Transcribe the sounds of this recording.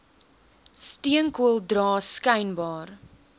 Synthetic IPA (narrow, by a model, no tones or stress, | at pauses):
stiəŋkuəlˠdrɑːskɐjnbɑːr